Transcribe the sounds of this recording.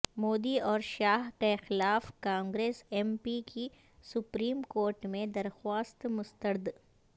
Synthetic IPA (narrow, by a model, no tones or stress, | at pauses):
moːd̪iɔːɾʃaːɦkaxɪlaːfkãːŋɡɾeːsɛːmpiki | sʊpɾiːmkoːɾʈmẽd̪ɐɾxwaːst̪mʊst̪əɾd̪